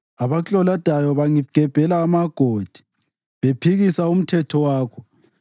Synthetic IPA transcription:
aβat͡ɬʼɔlad̥ʱajɔβaŋiɡ̥ʱɛb̥ʱɛlaːmaɡ̥ʱod̥ʱi̥ | βepʰiɣisaum̩tʰɛtʰɔwaːkʰɔ

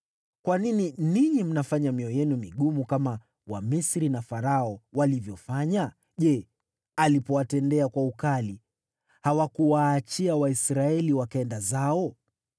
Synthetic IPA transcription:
kwanininiɲim̩nafaɲamiɔjɛnumiɠumukama | wamisɾinafaɾaɔwalivjɔfaɲa | ʄɛ | alipɔwatɛndɛakwaukali | hawakuwaːt͡ʃiawaisɾaɛliwakaɛndazaɔ

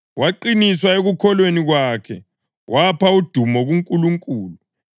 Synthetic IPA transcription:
waǃiniswaeɣukʰɔlweniɣwakʰɛ | wʔapʰaud̥ʱumɔɣuŋkʼuluŋkʼuːlu

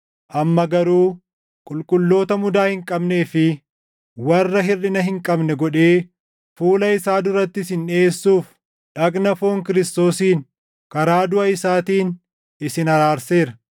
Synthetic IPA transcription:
ʔɐmːɐɡɐɾuː | kʼʊlkʼʊlːo̞ːt̪ɐmʊd̪aːhɪŋkʼɐbne̞ːfɪ | wɐrːɐɦɪrɗɪnɐɦɪŋkʼɐbnɛɡɔᶑe̞ː | fuːlɐɪsaːd̪ʊɾɐt̪ːɪsɪne̞ːsːuːf | ᶑɐknɐfo̞ːŋkɪɾɪst̪o̞ːsiːn | kɐɾaːd̪ʊʔɐɪsaːt̪iːn | ɪsɪnɐɾaːɾse̞ːɾɐ

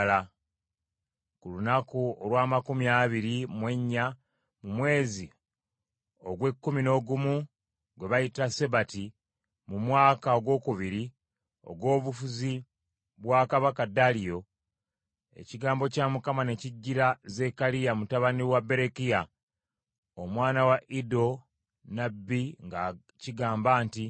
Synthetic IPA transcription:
la | kulunakuolwaːmakumiaβiɾimwe̞ɲːa | mumwe̞ːzi | o̞ɡwe̞kːumino̞ɡumu | ɡwe̞βajitase̞bati | mumwaːkaoɡwo̞ːkuβiɾi | o̞̰ɡwo̞ːβufuzi | βwaːkaβakadalijo̞ | e̞̰ciɡaːmbo̞camukamane̞ciɟːiɾaze̞kalijamutaβaniwabe̞ɾe̞kija | omwaːnawaʔido̞ | nabːiŋɡa | ciɡaːmbaːnti

